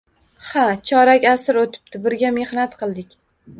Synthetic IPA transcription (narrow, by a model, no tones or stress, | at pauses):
hat͡ʃʰɒɾakʲasɪɾot̪ʰɪ̥p̚t̪ʰɪbɪɾɡʲamehnat̪qʰɨlˠd̪ɪkʲ